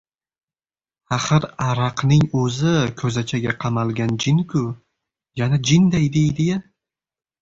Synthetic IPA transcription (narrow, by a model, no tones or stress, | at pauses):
aχɨɾaɾɑqnɪŋɵzɪkʰɵzat͡ʃʰaɡʲaqʰɑmalˠɡʲand͡ʒɪnkʰʊ | janad͡ʒɪnd̪ajd̪ejd̪ɪ